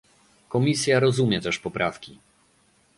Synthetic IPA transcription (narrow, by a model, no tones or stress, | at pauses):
kɔmʲisʲjaɾɔzumʲjɛt̪ɛʂpɔpɾʔafkʲi